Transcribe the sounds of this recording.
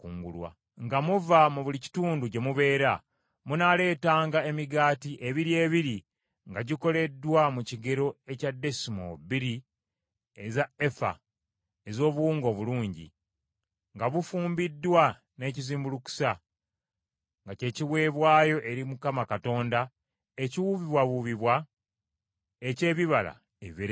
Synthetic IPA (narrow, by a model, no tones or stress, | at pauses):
kṵːŋɡṵlwa̰ | ŋɡamuvamuβulici̥tuːnduɟe̞muβe̞ːɾa | munale̞ːtaːŋɡae̞miɡaːtiʔe̞βiɾie̞ːβiɾi | ŋɡaɟiko̞le̞dːwamuciɡe̞ɾo̞e̞cadːe̞simo̰biɾi | ezaefa̰ | e̞zo̞ːβuwuːŋɡo̞βuluːɲɟḭ | ŋɡaβufuːmbidːwa | ne̞ːciziːmbuluku̥sa | ŋɡace̞ːciwe̞ːβwaːjo̞ʔe̞ɾimukamakato̞ːnda | e̞ciwuβiβwaβuβiβwa | ece̞ːβiβala̰ | eβeɾ